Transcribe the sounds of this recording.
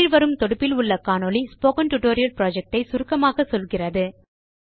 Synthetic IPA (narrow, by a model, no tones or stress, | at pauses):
ɪɾʋɐɾɯmt̪ɔɽɯpːɪlʊɭːɐkaːnoːlispoːkɐnʈʊʈoːɾɪjɐlpɾoːd͡ʒɐk̚ʈɐɪsʊɾɯkːɐmaːɣɐsɔlɣɪrɐðɯ